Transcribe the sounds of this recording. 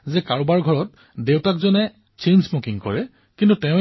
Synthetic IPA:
zɛkaɹɔbaɹɡʱɔɹɔt̚ | dewtakzɔnɛ | t͡ʃenzmokiŋkɔ̰ɹɛ | kintutɛʊ̃

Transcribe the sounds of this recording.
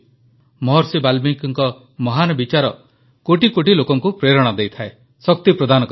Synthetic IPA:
mɔɦɔɾsibalbiŋkŋkɔ | mɔɦanɔbit͡ʃaɾɔ | koʈikoʈilokɔŋkupɾeɾɔɽ̃ɔd̪ejt̪ʰae | sɔk̚t̪ipɾɔd̪ʱanɔk

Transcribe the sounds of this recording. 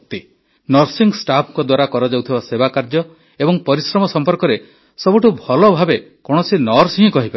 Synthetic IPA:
t̪i | nɔɾsiŋsʈapʰŋkɔd̪waɾakɔɾɔd͡ʒawt̪ʰibasebakaɾd͡ʒɔ | ebɔŋpɔɾisɾɔmɔsɔmpɔɾkɔɾe | sɔbuʈubʱɔlɔbʱabekɔɽ̃ɔsinɔɾsiɦĩkɔɦipaɾ

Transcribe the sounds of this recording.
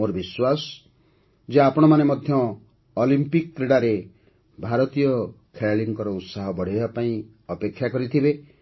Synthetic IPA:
oɾɔbiswasɔ̥ | d͡ʒeapɔɽ̃ɔmanemɔd̪ʱjɔː | limpikkɾeɽaɾe | bʱaɾɔt̪ijɔ | kʰeɭaliŋkɔɾɔut̪saɦɔbɔɽ̤ebapaĩ | ɔpekʰːjakɔɾit̪ʰibe

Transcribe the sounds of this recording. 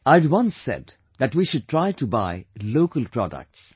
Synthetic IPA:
aɪdwʌ̃nsːɛ̰d | d̪æʈwiʃʊd̚tɾaɪʈuba̰ɪloːkəlˠpɾɔ̰də̰k̚ʈs

